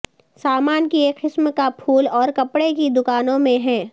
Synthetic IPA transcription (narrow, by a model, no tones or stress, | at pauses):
saːmaːnkieːkqɪsmkapʰuːlɔːɾkɐpɽekid̪ʊkaːnõmẽɦɛ̃ː